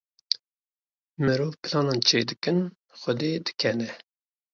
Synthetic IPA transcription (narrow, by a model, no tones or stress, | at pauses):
mɨɾoːvpʰɨlɑːnɑnt͡ʃʰeːd̪ɨkɨn | xəd̪eːd̪ɨ̥kʰɛnɛ